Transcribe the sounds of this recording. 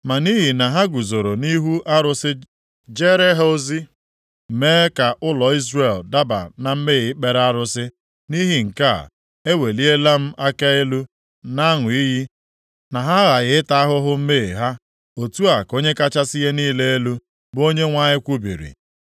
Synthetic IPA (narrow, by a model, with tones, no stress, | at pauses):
ma˨ni˦ɦi˨na˨ɦa˦ɡu˨zo˨ɾo˨ni˦ɦu˦ʔa˦ɾʊ˦sɪ˦ | d͡ʒe˦ɾe˦ɦo˦o˦zi˦ | m̩˨meː˦ka˨ʔʊ˦lɔ˨i˦zre˨lda˦ba̰˨na˨m̩˦meː˦˨ɪ˦k͡pe˨ɾa˦ɾʊ˦sɪ˦ | ni˦ɦi˨ŋ̩˨ka̰˦˨ | e˦we˨li˦e˦la˦m̩˦ʔa˦ka˦e˦lu˦ | na˦ŋʊ˨i˦ɦi˦ | na˨ɦa˦ɣa˨ɣɪ˨ɪ˦ta˦a˦ɦʊ˦ɦʊ˦m̩˦meː˦˨ɦa˦ | o˨tu˦a˨ko˦ɲe˦ka˦t͡ʃa˦si˦je˦niː˦le˦e˦lu˦ | bo˦ɲe˦ŋʷa˦ɲɪ˦kʷu˦bḭ˨ɾḭ˨